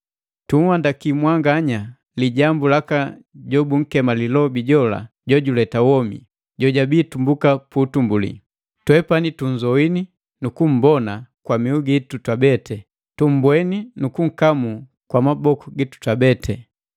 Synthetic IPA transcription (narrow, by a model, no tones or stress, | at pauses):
tuŋ̩wandakimwaŋɡaɲa | liɟambulaka | ɟɔbuŋ̩kɛmalilɔbiɟɔla̰ | ɟɔɟulɛtawɔmḭ | ɟɔɟabiːtumbukaputumbulḭ | twɛpanituɲ̩zɔwini | nukum̩bɔnakwamiuɡitutabɛtɛ | tum̩bwɛninukuŋ̩kamu | kwamabɔkuɡitu̥tabɛtʰɛ